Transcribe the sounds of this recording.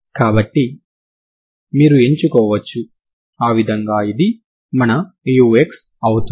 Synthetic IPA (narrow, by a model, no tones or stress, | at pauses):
kaːbɐʈːi | miːɾue̞ɲt͡ʃukɔːʋɐt͡ʃːu | aːʋid̪ʱɐŋɡaːid̪i | mɐnɐ | juːeks | ɐwut̪u